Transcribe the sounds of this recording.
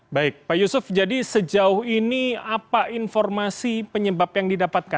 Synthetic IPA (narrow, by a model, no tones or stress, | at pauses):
baɪk̚bajusʊfd͡ʒadisəd͡ʒaʊhiniapaʔinfɔrmasipəɲəbapjaŋdidapat̪̚ka